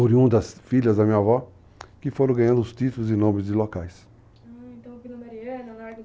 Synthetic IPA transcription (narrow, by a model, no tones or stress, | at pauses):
uɾiũd̪ɐsfiʎɐzd̪ɐmĩɲavɔ | kɪfoɾɐ̃w̃ɡɐ̃ɲɐ̃d̪ʊʊst̪it̪ulʊzɪnõmɪzd͡ʒɪlokajs | t̪ɐ̃